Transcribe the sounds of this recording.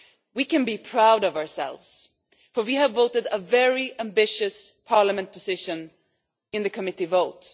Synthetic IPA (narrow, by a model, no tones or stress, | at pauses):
wikɨ̃nbipʰɹ̥aʊɾʌvəə˞sɛ̰lˠvz̥ | fə˞wiɨvːoʊɾɨɾəvɛɹiʔæ̃mbɪʃɨspʰɑɹləmɨ̃npʰɨzɪʃɨ̃n | ɨ̃nðɨkʰɨmɪɾivoʊt